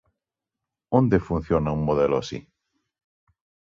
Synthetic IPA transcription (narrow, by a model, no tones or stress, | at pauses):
õnd̪efun̟θjonaummoðeloasḭ